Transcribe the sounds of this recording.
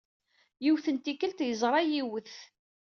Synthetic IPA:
jiwθənt̪ikəlt̪jəzˤɾˤɑjiwəθ

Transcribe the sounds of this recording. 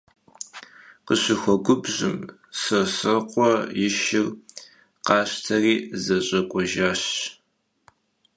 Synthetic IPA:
qəɕɪxʷɔɡʷʊbʑɪ̰m | sɐsɨqʷʼɔjɪʃɪr | qɑːɕtʰɐriːzɐɕʼɐkʷʼɔʒaːɕ

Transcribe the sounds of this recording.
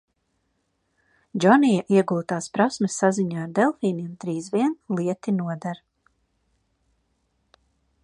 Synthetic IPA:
d͡ʒɔnijaʔiɛɡulˠt̪aːspɾasmesːaziɲaːɾd̪ɛlˠfiːniɛmd̪ɾiːzviɛnlˠiɛt̪inuɔd̪aɾ

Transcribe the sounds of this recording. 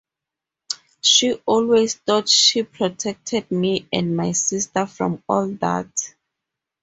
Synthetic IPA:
ʃiʔɔlwezθɔdʃipʰɹɔtʰɛk̚tʰɛd̚miɛ̃nmajsistəfɹɔ̰̃mɔlða̰t

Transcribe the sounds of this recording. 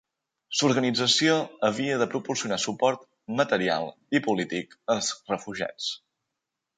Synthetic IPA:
suɾɣənid͡zəsioəβ̞iəðəpɾupuɾsiunasupɔɾt̪ | mət̪əɾia̰lˠ | ipulit̪ikəlˠzrəfuʒa̰t͡s

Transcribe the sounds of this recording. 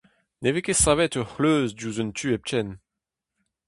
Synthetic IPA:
nevekesavɛt̪œχløːzduzœnt̪ʰyːɛp̚t͡ʃɛn

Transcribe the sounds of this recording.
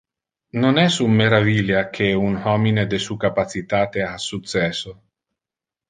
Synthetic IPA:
nonɛsumːeɾaviljak̟ʰeunhɔmined̪esuːkapat͡sit̪aːt̪easut̪t͡sːɛso

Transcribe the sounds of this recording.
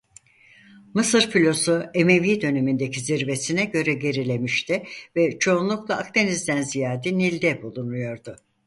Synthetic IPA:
mɯsɯɾpilʲosue̞me̞viːd̪ø̞ne̞mind̪e̞ciziɾve̞sinɛɟø̞ɾɛɟe̞ɾilʲe̞miʃt̪ʰɪvɛt͡ʃʰo̞unlˠuklˠaakt̪e̞nizd̪ænzijaːd̪ɛnilʲd̪ɛbulˠunujo̞ɾd̪ʊ

